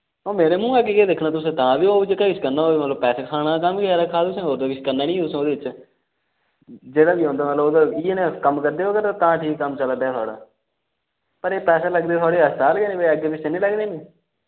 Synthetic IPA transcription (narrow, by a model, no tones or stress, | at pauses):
oːmeːɾeːmũːɛːkeked̪ɪkʰnaːt̪ʊsẽːt̪ãːʋiːoːd͡ʒekaːɪt͡ʃkəɾnaːoːeːmət̪ləbpɛːseːkʰaːɽ̃aːkəmkeɛːɾaːkʰaːt̪ʊsẽːɦoːɾd̪aːkɪt͡ʃʰkəɾnaːnĩːt̪ʊsoːd̪eːɪt͡ʃ | d͡ʒeːɽaːbiːɦõːnd̪aːmət̪ləboːd̪aːiːenẽːkəmkəɾd̪eːoːɡət̪aːt̪ãːʈʰiːkːəmt͡ʃəld̪aɛːt̪ʰoɔaːɽa̰ː | pəɾeːpɛːseːləɡd̪eːt̪ʰɔaːɽeːəst̪aːlɡeːnĩːbəəɡeːpɪt͡ʃenĩːləɡneːnĩː